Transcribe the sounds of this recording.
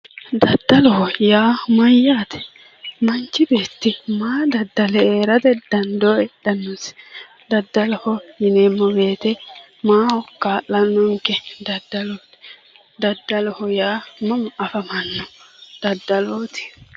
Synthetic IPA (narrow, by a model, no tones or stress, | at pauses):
d̪ɐd̪ːɐlɔhɔjaːmɐjːaːt̪ɛ̥ | mɐnt͡ʃːɪbeːt̪ːɪmaːd̪ɐd̪ːɐlɛeːɾɐd̪ɛd̪̥ɐnd̪ɔɛɗɐnːʊs | d̪ɐd̪ːɐlɔhɔjɪneːmːɔbe̞ːt̪ɛ | maːɔkːaːlːɐnːɔŋkːɛd̪ɐd̪ːɐloːt̪ | d̪ɐd̪ːɐlɔhɔjaːmɐmɐfɐmɐnːɔd̪̥ɐd̪ːɐloːt̪ɪ̥